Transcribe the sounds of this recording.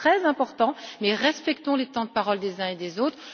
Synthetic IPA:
χɛzɛ̃pɔʁt̪ɑ̃mɛʁɛspɛkt̪ɔ̃let̪ɑ̃d̪əpaʁɔld̪ezɛ̃ed̪ezot̪χ

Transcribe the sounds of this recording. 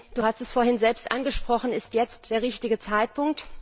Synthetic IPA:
d̥uːhastɛsfoːɐhɪnzɛlpstʔanɡəʃpʁ̥ɔχn̩ɪstjɛt͡std̥eːɐʁɪçtɪɡət͡saɪt̚pʊŋk̚t

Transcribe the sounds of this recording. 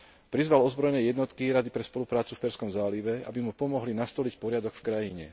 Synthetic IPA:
pɾizʋalɔzbɾɔjnɛjɛd̪nɔt̪kiɾad̪ipɾɛspɔlupɾaːt͡sufpɛɾskɔmzaːliʋɛa̰bimupɔmɔɦlinast̪ɔlicpɔɾɪad̪ɔkfkɾajiɲɛ̰

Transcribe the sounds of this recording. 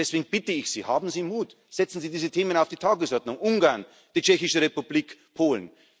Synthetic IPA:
ɛsv̥eːɡŋ̩b̥ɪtəɪçsḭːhaːbm̩ziːmuːt | z̥ɛt͡sn̩ziːdiːzətʰeːmənaʊfd̥iːtʰaːɡəsʔɔɐdnʊŋʔʊŋɡaɐn | d̥iːt͡ʃɛçɪʃəʁepubliːkpʰoːln

